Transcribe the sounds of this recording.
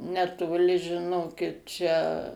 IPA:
nʲɛtoːˈlʲɪ ʒʲɪˈnoːkʲɪt ˈt͡ʃʲɛ

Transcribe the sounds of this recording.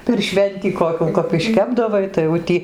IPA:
pʲɛr ˈʃʲʋʲɛnʲtʲiː koːˈkʲuː kɐp ɪʃʲˈkʲæːbdɐʋɐɪ tɐɪ jɛʊ ˈtʲiː

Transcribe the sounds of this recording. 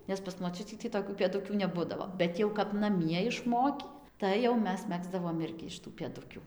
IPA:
nʲɛs pɐs moːˈt͡ʃʲʊtʲiː tʲiː toːˈkʲuː pʲeːˈdʊkʲuː nʲɛˈbʊdɐʋoː ˈbʲɛt jɛʊ kɐp nɐˈmʲiɛ ɪʃˈmoːkʲiː ˌtɐɪ jɛʊ ˈmʲɛs ˈmʲæːɡzdɐʋoːm ˈɪrʲɡʲɪ ɪʃ tuː pʲeːˈdʊkʲuː

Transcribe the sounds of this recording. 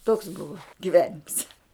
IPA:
toːks ˈbʊʋɐ ɡʲɪˈʋʲæːnʲɪms

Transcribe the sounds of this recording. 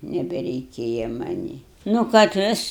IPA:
nʲɛbʲɛrʲɛɪˈkʲeːjɛ mɐˈnʲiː nʊ kɐt ˈʋʲɪs

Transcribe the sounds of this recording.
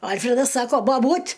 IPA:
ˈɐlʲfʲrʲɛdɐs ˈsɑːkoː bɐˈbuːtʲ

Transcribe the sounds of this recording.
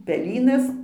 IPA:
pʲɛˈlʲiːnɐs

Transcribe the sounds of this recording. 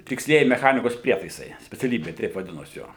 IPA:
tʲɪksʲˈlʲiɛjɪ mʲɛˈxɑːnʲɪkoːs ˈpʲrʲiɛtɐɪsɐɪ sʲpʲɛt͡sʲɛˈlʲiːbʲeː tʲɛɪp ʋɐˈdʲɪnoːs ˈjoː

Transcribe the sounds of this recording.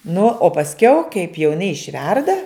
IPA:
nʊ oː pɐsʲˈkʲɛʊ kɐɪp jɛʊ ɪˈnɐɪ ɪʃʲˈʋʲɛrdɐ

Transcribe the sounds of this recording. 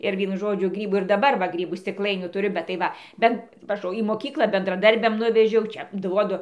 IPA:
ɪr ˈʋʲiɛnʊ ˈʒoːd͡ʒʲʊ ˈɡrʲiːbuː ɪr dɐˈbɐr ʋɐ ˈɡrʲiːbuː sʲtʲɪkˈlˠɐɪnʲuː tʊˈrʲʊ bʲɛt tɐɪ ˈʋɐ ˈbʲɛn ʋɐˈʒoːjʊ iː moːˈkʲiːklˠɐ bʲɛndrɐˈdɐrʲbʲɛm ˈnʊʋʲɛʒʲɛʊ ˈt͡ʃʲɛ ˈduɔdʊ

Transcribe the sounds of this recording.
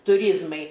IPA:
tʊˈrʲiːzmɐɪ

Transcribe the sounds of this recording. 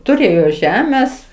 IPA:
tʊˈrʲeːjoː ˈʒʲæːmʲɛs

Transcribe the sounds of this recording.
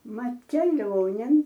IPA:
ˈmɐt kʲɛˈlʲoːnʲeːn

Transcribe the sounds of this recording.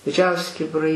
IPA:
dʲɪˈd͡ʒʲɛʊsʲɪ kʲɪbʲɪˈrɐɪ

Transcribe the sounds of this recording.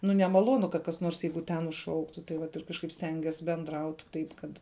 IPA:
ˈnʊ nʲɛmɐˈlˠoːnʊ kɐt kɐs ˈnoːrs ˈjɛɪɡʊ ˈtʲɛn ʊʃˈʃɐʊktʊ tɐɪ ˈʋɐt ɪr kɐʃˈkɐɪp ˈsʲtʲɛŋʲɡʲiɛs bʲɛnˈdrɐʊt ˈtɐɪp kɐt

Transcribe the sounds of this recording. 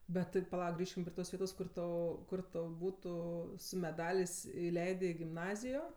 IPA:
bʲɛt tɐɪ pɐˈlˠɐʊk ˈɡrʲiːʃʲkʲɪm pʲrʲiɛ ˈtoːs ˈʋʲiɛtoːs ˈkʊr ˈtʊ ˈkʊr tɐʊ ˈbuːtʊ sʊ mʲɛˈdɑːlʲeːsʲ ɪˈlʲɛɪdʲeː ɪ ɡʲɪmˈnɑːzʲɪjoː

